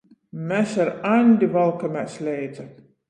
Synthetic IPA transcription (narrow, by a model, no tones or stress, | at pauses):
mʲæsaɾanʲd̪ʲivalˠkamʲæslʲɛjd̪za